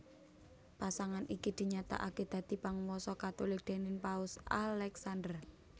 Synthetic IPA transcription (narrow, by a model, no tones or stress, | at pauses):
pasaŋanʔikid̪̥i̤ɲat̪a̰ʔaked̪̥ä̤d̪̥i̤paŋwɔsɔkat̪olɪk̚d̪̥e̤nɪnpaʊsa̰lɛksand̪ər